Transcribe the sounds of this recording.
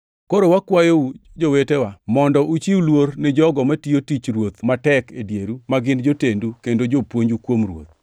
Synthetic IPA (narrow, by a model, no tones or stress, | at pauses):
koɾowakwajoud͡ʒowetewamɔndɔʔut͡ʃiwulwoɾnɛd͡ʒɔɡɔmatiotit͡ʃɾwot̪matɛkedjeɾumaɡɪnd͡ʒotendukendod͡ʒopwoɲd͡ʒukwomrwo̰t̪̚